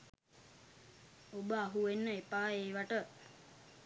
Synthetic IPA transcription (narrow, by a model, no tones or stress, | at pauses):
obəaɦuʋenːəepaːeːʋaʈə